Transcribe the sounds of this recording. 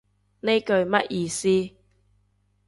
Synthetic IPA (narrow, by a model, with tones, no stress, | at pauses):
ne˥jkɵ˧ɥmɐ˥t̚jiː˧siː˥